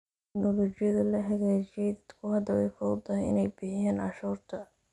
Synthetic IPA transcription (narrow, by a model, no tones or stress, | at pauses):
ɪɡnɔlɔːt͡ʃɪjɐðɐlɐɦɐɣæːt͡ʃɪɛjd̪ɐd̪kʰʊhɐd̪ɐwɛjfɔːd̪ɐnɪ̰nɛjbɪħɪjaːnʕɑʃuːrt̪ʰɐ